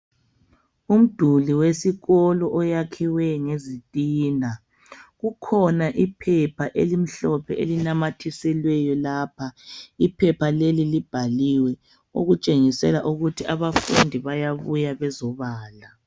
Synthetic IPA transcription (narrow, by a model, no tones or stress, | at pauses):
um̩d̥ʱuliwesiɣɔlɔʔɔjakʰiwɛŋezitʼiːna | ɣukʰɔnaʔipʰɛpʰaʔḛlim̩ɬɔpʰɛʔelinamatʰisɛlwɛjɔlaːpʰaipʰɛpʰalelilib̥ʱaliwɛ | o̰ɣut͡ʃʼeŋisɛ̰laʔuɣutʰiʔaβafṵndʱiβajaβujaβɛzɔβaːla